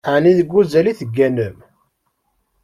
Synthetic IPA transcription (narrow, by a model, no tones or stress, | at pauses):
ʕniðəɡʷːuzæliθəɡːænəm